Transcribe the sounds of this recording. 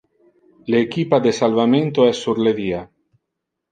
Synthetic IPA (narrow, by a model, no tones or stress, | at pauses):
leekipad̪esalvamẽnt̪oɛsːuɾleðia